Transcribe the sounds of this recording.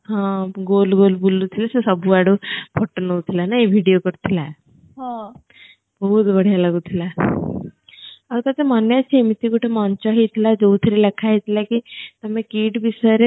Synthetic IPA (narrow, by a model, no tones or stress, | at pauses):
ɦãɡolɡolbulːut̪ʰilasəsəbʱuaɽupʰɔʈːənout̪ʰilanaeʋʱiɽijokəɾt̪ʰila | ɦã | bəɦut̪bəɽ̤ijalaɡut̪ʰila | aɾt̪at̪emanjat͡ɕemit̪ikuʈʰemant͡ɕaɦit̪ʰlad͡zot̪ʰiɾilekʰaɦit̪ʰlakit̪əmekiːʈbisaɾe